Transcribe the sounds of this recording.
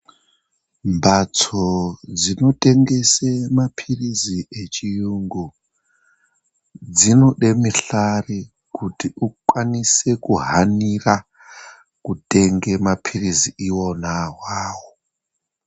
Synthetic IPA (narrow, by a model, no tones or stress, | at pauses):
mbʱat͡sod͡zino̞tʼe̞ŋɡe̞semapʰiriziʔet͡ʃijuŋɡu | d͡zinoɗe̞miɬari | kutiukwanise̞kuɦanira | kute̞ŋɡe̞mapʰiriziiwo̞naɦwaːwo